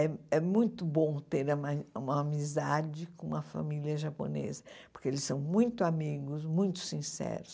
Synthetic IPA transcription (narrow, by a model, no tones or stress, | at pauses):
ɛɛmũj̃t̪ʊbõt̪eɾumɐũmɐamizad͡ʒɪkõũmɐfa̰miliɐʒapo̰nḛzɐppoɾkeelɪsːɐ̃w̃mũj̃t̪ʊamiɡʊsmũj̃t̪ʊ̥sĩsɛ̰ɾʊs